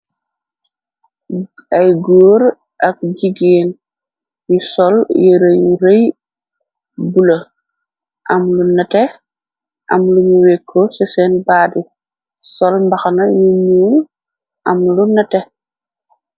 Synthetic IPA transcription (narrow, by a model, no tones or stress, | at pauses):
ɐjɡoːɾ | ʔɐk̚ɟiɡeːn | jusɔljiɾejuɾej | bulɐ | ʔɐmlunɐtɛ | ʔɐmluɲuwɛkʰːosɛsɛnbaːdi | sɔlmbɐxɐnɐjuɲuːn | ʔɐmlunɐtɛ